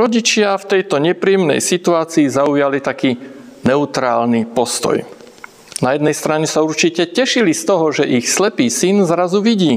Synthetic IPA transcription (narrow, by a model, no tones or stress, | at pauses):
ɾɔɟit͡ʃɪaft̪ɛjt̪ɔɲɛpɾijɛmnɛ̰jsit̪uaːt͡siːzaujalit̪akiːnɛut̪ɾaːlnipɔst̪ɔ̰j | najɛd̪nɛjst̪ɾaɲɛsauɾt͡ʃicɛcɛʃilist̪ɔɦɔʒɛʔixslɛpiːsinzɾazuʋiɟiː